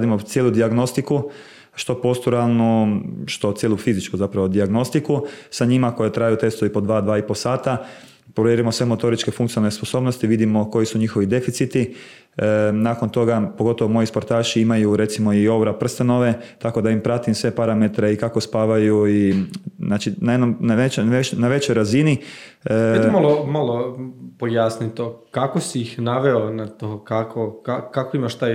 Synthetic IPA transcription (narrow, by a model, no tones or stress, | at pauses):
ad̪imot̪jelˠud̪iaɡno̞st̪iku | ʃt̪o̞po̞st̪uɾalˠnuʃt̪o̞t̪sjelufizit͡ʃkuzapɾaʋo̞d̪iaɡno̞st̪ikusaɲimako̞jet̪ɾajajut̪e̞st̪oʋipod̪ʋaːd̪ʋaːipo̞lsaːt̪a | pɾoʋeɾimo̞sʋe̞mo̞t̪o̞ɾit͡ʃke̞fuŋkt̪ionalnespo̞so̞ːbnost̪iʋid̪imo̞ko̞jisuɲixoʋid̪e̞fit̪sit̪i | naːko̞nt̪o̞ɡapoɡo̞t̪o̞ʋomo̞jispo̞ɾt̪aːʃiimajuɾe̞t̪simo̞io̞uɾapr̩st̪eno̞ʋe̞t̪ako̞d̪aimpɾat̪imsʋe̞paɾame̞t̪ɾe̞ikako̞spaːʋajuinat͡ʃinajenomnaeenaʋe̞t͡ɕo̞jɾazini | malˠomalˠopojasnit̪okakosiixnaʋeonat̪okakokakakoimaʃt̪aj